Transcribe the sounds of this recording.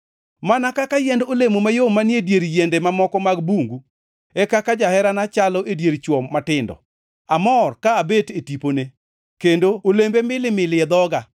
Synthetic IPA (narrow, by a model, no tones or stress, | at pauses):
manakakajɛndolemomajomanjedjeɾjendemamɔkɔmaɡbuŋɡu | ɛkakad͡ʒahɛɾanat͡ʃalɔʔedjeɾt͡ʃwɔmːatɪndɔ̰ | amɔrkaːbetetipone | kendoolembemɪlɪmɪlɪɛd̪ɔɡa